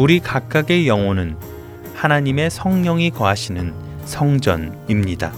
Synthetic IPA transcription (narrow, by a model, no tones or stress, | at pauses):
uɾikak̚k͈aɡe̞jʌŋonɯn | hanaɲime̞sʰʌŋɲʌŋikʌaɕʰinɯn | sʰʌŋd͡ʑʌ̰nimɲida̰